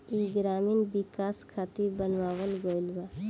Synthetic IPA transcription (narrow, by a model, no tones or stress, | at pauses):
iɡɾaːmɪnbɪkaːskʰaːt̪ibənʋaːwəlɡoːɪlʋa